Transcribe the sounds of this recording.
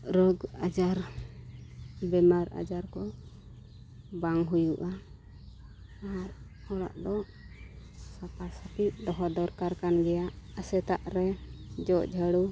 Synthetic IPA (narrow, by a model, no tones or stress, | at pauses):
ɾɔɡad͡ʒaɾ | bɛmaɾa̰d͡ʒaɾkɔ | baŋɦujuʔa | ɾ | ɔɽa̰ʔd̪ɔ | sapaɾsapiʔ̚d̪ɔɦɔd̪ɔɾkaɾkanɡɛjaʔəsɛt̪aʔɾɛd͡ʒɔʔd͡ʒʱəɽu